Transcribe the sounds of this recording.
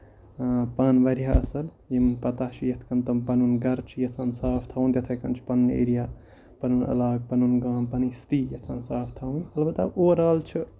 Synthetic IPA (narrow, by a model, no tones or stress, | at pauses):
paːnʋɐɾiɦaʔɐsɐl | jimpɐt̪aːʃijɐt̪ʰkɐnt̪ɐmpɐnunɡɐɾt͡ʃʰijɐsɐːnsaːpʰt̪ʰawnt̪jɐt̪ʰɐkɐnt͡ʃʰi̥pɐnːḛːɾija | pɐnunɐ̰laːɡ̚pɐnunɡãːmpɐnisɾiːjɐt͡sɐːnsaːpʰt̪ʰɐunhɐlbɐt̪aoːɾaːlt͡ʃʰi